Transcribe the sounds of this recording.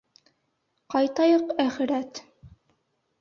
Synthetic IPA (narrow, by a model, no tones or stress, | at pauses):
qɑjt̪ɑjɤqæχɘ̆ɾæt̪